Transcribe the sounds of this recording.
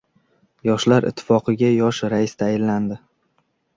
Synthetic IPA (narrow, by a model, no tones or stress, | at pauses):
jɒʃlaɾɪ̰t̪ʰːɪ̥fɒqʰɨɡʲajɒʃɾaɪst̪ʰajɪlːand̪ɪ